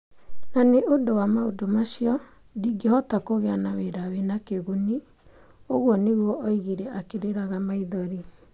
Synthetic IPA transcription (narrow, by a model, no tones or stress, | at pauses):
naneʔodowamaodomaʃiɔ | diɡehɔtakoɣeanaweɾawenakeɣuni | oɣwɔneɣwɔʔːiɣiɾɛʔakeɾeɾaɣamaiðɔɾi